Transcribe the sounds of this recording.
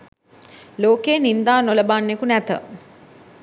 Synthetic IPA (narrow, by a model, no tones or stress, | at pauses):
loːkeːnind̪aːnoləbaːnːekunæt̪ə̰